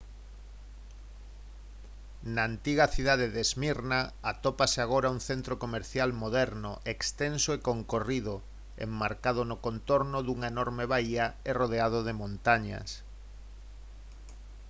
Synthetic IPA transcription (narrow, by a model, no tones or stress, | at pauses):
naːnt̪iɣɐθiðaðeðezmiɾnaat̪opaseaɣ̞oɾauŋθent̪ɾokomeɾθjalmoðɛɾnoʔekst̪ensoekoŋkoriðʊ | ḛmːaɾkað̞ʊnokont̪oɾnʊðuŋaenoɾmeβaiɐeroð̞eað̞oðemõnt̪aɲɐ̰s